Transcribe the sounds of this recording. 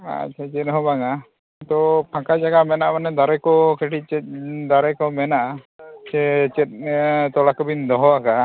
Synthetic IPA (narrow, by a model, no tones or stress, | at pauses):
a̰tt͡ʃʰat͡ʃɛt̪̚ɦɔbaŋa | t̪ɔpʰãkad͡ʒaɡamɛnaʔmanɛd̪aɾɛkɔkeʈit͡ʃɛd̪aɾɛkɔmɛnaʔa | t͡ʃɛt͡ʃɛt̪̚t̪ɔɽakɔbind̪ɔɦɔaka